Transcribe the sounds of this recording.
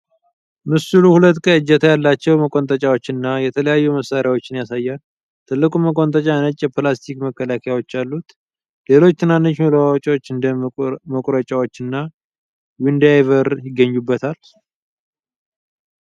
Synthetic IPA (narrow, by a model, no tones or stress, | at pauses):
mɨsuluhulət̪ːkʼəɨd͡ʒːɛt̪ʰajalːat͡ʃːɛwməkʼo̞nt̪ʼət͡ʃʼawo̞t͡ʃːɪnːajɛt̪ʰələjajːuməsːaɾjawo̞t͡ʃːɪnjasajːal | t̪ʰɨlːɨkʼumːəkʼo̞nt̪ʼət͡ʃʼanət͡ʃʼjɛplast̪ʰikməkʰːəlakʰəjawo̞t͡ʃːalːut̪ | le̞lo̞t͡ʃːt̪ʰɨnanːot͡ʃːməloat͡ʃʼo̞t͡ʃːɨnd̪əməkʼɾət͡ʃʼawo̞t͡ʃːɨnːa | wind̪ajvəɾjɪɡːəɲːubːət̪ʰal